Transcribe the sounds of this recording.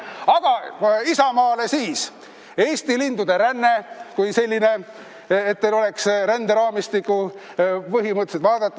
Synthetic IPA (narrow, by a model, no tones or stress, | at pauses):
ɑɡ̥ɑisɑmɑːle̞siːs | e̞ːst̪ilind̪ud̪e̞ɾænːe̞kujse̞lʲːine̞ː | t̪ːelo̞le̞ksɾænd̪eɾɑːmist̪ikːˑu | pɤɦimɤt̪ːˑset̪vɑːd̪̥ɑt̪ːˑ